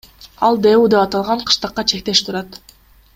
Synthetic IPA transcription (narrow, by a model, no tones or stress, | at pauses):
ɑlˠd̪eud̪e̞pɑt̪ɑlˠʁɑɴqʰɯ̥ʃt̪ɑqːɑt͡ʃʰe̞k̚t̪e̞ʃt̪ʰuɾɑt̪